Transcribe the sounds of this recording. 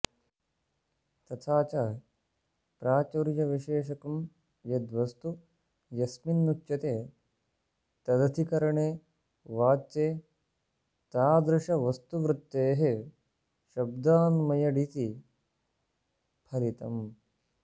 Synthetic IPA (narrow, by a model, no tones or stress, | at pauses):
t̪ɐt̪ʰaːt͡ʃa | pɾaːt͡ʃoːɾjɐʋiʃeːʃɐkɐm | jɐd̪ʋɐst̪u | jɐsminːukt͡ʃɐt̪eː | t̪ɐd̪ɐt̪ʰikɐɾɐɳeː | ʋaːt͡ʃeː | t̪aːd̪ɾuʂɐʋɐst̪uʋɾut̪ːeːɦe | ʃɐb̚d̪aːnmɐjɐɖit̪i | pʰɐɾit̪ɐ̰m